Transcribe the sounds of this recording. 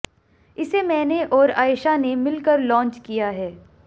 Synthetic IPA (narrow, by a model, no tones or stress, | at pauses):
ɪsemɛ̃ːneʔɔːɾaːɪʃanemɪlkəɾlɔ̃ːnt͡ʃkijaɦɛː